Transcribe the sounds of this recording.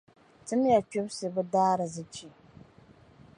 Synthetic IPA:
tɨ˦m˦ja˨t͡ʃu˦bsɨ˨bɨ˦daː˦ɾɨ˨zɨ˦t͡ʃi˨

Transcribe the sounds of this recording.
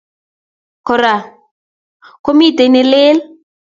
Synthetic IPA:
kʰɔ˨ɾa˨ | ko˦mi˦te˨nɪ˦lɪː˦l

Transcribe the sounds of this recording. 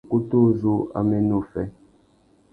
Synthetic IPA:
ku˦tu˦˨zu˦a̰˨me˦nu˦˨fɛ˦

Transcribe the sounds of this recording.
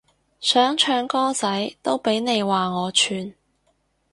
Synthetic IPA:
sœː˨˥ŋt͡ʃʰœː˨˧ŋkɔː˥t͡sɐ˨˥jt̪o˥wpe˨˥jne˨˧jwaː˨˩ŋɔː˨˧t͡ʃʰyː˨˧n

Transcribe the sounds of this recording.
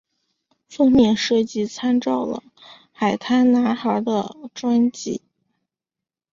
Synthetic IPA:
fɤ˥ŋmjɛ˥˩nʂɤ˥˩t͡ɕi˥t͡sʰa˥nʈ͡ʂɑ˥˩ʊlə̰˩ | xa˨˩ɪt̪ʰa˥nna˧˥xə˞˧˥d̪ə˧ʈ͡ʂwa˥nt͡ɕḭ˥˩˦

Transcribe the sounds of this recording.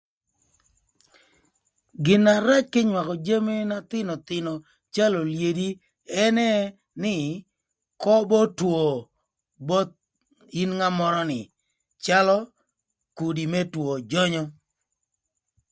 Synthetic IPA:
ɡɪ˨na˨ɾa˦t͡ʃkɪ˦ɲwa˨kɔ˨d͡ʒe˦me˦na˦t̪ɪ˦nɔ˨t̪ɪ˨nɔ˨ | t͡ʃa˦lɔ˨lje˨di˦ | ɛ˦nɛ˦ | nɪ˦ | kɔ˦bɔ˦two˨ | bɔ˦t̪̚ | i˦nŋa˦mɔ˦ɾɔ˦nɪ̰˨ | t͡ʃa˦lɔ˦ | ku˨di˨mɛ˦two˨d͡ʒɔ˦ɲɔ˦

